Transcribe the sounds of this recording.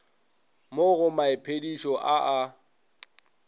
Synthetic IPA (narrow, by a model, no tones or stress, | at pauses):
moɣʊmaɪpʰediʃɔʔaʔa